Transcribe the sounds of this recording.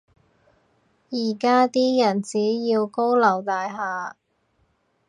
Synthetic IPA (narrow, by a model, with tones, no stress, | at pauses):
jiː˨˩kaː˥t̪iː˥jɐ˨˩nt͡siː˨˥jiː˧wko˥wlɐ˨˩wt̪aː˨jɦaː˨˧